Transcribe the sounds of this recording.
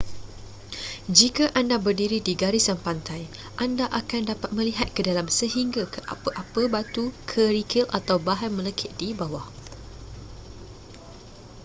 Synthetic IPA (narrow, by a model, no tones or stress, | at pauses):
d͡ʒikaʔandabərdiɾidiɡaɾisanpant̪aj | ʔandaʔakandapat̪̚mə̃liɦat̪̚kədalamsəɦiŋɡakəʔa̰pəʔapəbat̪ukʰəɾikʰɪlʔa̰t̪awbaɦanmə̃ləkʰɪʔ̚dibawah